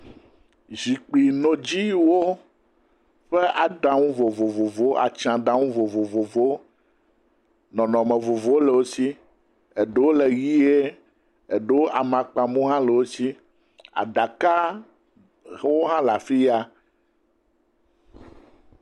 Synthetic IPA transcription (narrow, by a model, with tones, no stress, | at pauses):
zi˨k͡pi˨nõ˨d͡ʑi˦wo˦ | ɸe˦ʔa˨ɖã˦ŋũ˦vo˨vo˨vo˨vo˦a̰˨t͡ʃã˨ɖã˦ŋũ˦vo˨vo˨vo˨vo˦ | nɔ̃˨nɔ̃˨mẽ˨vo˨vo˦o˦le˨wo˦si˦ | e˨ɖe˦wo˦le˨ɣi˦e˦ | e˨ɖe˦wo˦ʔa˨mã˨k͡pa˨mũ˦ɦã˦le˨wo˦si˦ | a̰˨ɖa˨ka˦ | wo˦ɦã˦la˨fi˦ja˦